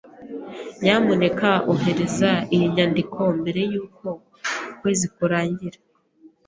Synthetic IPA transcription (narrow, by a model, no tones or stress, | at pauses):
jaːmone̞kaoɦe̞ɾe̞zaijiɲaːndikʰo̞mbe̞ɾe̞juːko̞ | kwe̞ːzikuɾaːɲɟiɾḁ